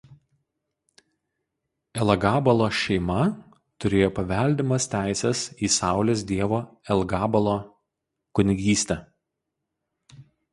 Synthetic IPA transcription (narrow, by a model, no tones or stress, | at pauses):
ɛlˠɐɡɑːbɐlˠoːʃʲɛɪmɐ | t̪ʊɾʲeːjoːpɐʋʲɛˑlʲd̪ʲɪmɐst̪ʲæˑɪsʲɛsiːsɑˑʊlʲeːsd̪ʲiɛʋoːɛlˠɡɑːbɐlˠoː | kʊnʲɪɡʲiːsʲt̪ʲɛ